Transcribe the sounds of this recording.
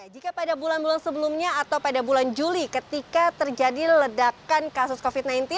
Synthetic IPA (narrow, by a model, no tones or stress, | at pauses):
d͡ʒikapadabulanbulansəbəlumɲaːt̪awpadabuland͡ʒulikət̪ikat̪ərd͡ʒadilədakankasʊskofit̪̚najnt̪i